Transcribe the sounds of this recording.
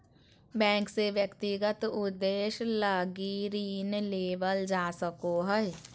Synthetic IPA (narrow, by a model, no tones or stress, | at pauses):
bɛ̃ːŋkseʋjəkt̪iɡət̪ʊd̪ːeːʃlaːɡiɾiːnleːʋəld͡ʒaːsəkoɦɛe